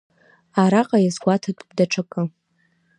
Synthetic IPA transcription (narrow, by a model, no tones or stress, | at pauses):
aɾaqʼajazɡʷatʰatʼbdaʈ͡ʂʰakʼɨ